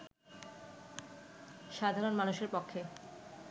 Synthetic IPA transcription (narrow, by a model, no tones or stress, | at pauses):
ʃad̪ʱaɾonmanuʃeɾpokʰːe